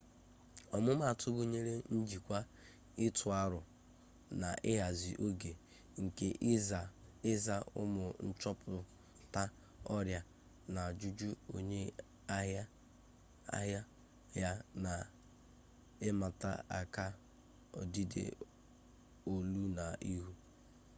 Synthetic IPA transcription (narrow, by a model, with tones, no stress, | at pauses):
ɔ˨mʊ˦ma˦˨a˨tʰʊ˦ɡʊ˦ɲe˦ɾe˦n̩˦d͡ʒi˨kʷa˦ | ɪ˦tʰʊ˨a˦ɾʊ˨ | na˨ʔɪ˦ɦa˨zi˨ʔo˦ɡe˨ | ŋ̩˨ke˦ʔɪ˦za˦ʊ̰˦mʊ˨n̩˦t͡ʃɔ˦pʰʊ˨ | ta˦ | ɔ˦ɾja˦ | na˨a˨d͡ʒu˦d͡ʒu˦o̰˨ɲe˦ | a˦ɦa˦ | a̰˦ɦja˦ | ja˦na˨ | ɪ˦ma˨ta̰˦a̰˨ka˦ | ɔ̰˨di˦dḛ˦ | o˨lu˦na˨ʔi˦ɦu˦